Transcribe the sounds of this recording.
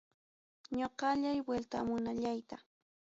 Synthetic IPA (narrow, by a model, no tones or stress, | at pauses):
ɲoqɑʎajwelt̪a̰mʊnaʎajt̪a